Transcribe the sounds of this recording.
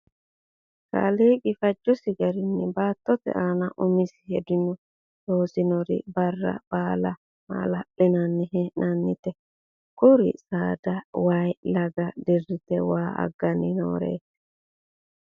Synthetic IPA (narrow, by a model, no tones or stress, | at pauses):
ka̰leːkʼɪfɐd͡ʒːɔsɪɡɐɾɪnːɪbaːt̪ːɔt̪ɛ̰ʔaːnɐʔʊmɪsɪ̥hɛd̪ɪnɔ | t̪oːsɪnɔɾɪ̰bɐrːɐ̰b̥aːlɐ | ma̰ːlɐʔɪnɐnːɪɦɛnɐnːɪt̪ɛ | kʊɾɪ̰saːd̪ɐwajlɐɡɐd̪ɛrːɪt̪ɛwaːɐ̰ɡːɐnɪno̰ːɾḛːsɛ̥